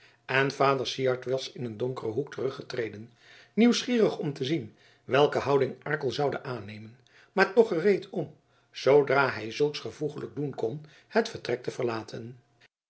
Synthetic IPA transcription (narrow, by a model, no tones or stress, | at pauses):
ɛnvaːdəɹsiɑɹtʋɑsɪnəndɔŋkərəɦuktərɵχətrejdən | niwsχiːrəχɔmtəzin | ʋɛlˠkəɦʌwdɪŋʔɑɹkəlˠzɑwdə̰ʔaːnejmən | maːɹtɔχərejtɔm | z̥owdraːɦɛjzɵlˠksχəvuχələɡ̚dunkɔn | hətfəɹtrɛk̚təvəɹlaːtʰən